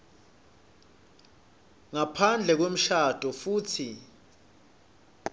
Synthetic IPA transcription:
ŋapʰand͡ɮʱɛk̬wem̩ʃad̥ʱɔfuːtʰi

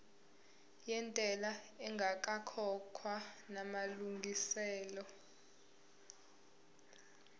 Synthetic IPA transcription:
jɛntʼɛla | ɛŋɡʱak̬ʼakʰɔkʰwanamaluŋɡʱisɛːlɔ

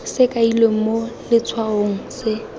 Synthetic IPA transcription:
sɪkʼaileŋ̩molɪt͡sʰwaoŋ̩sɪ

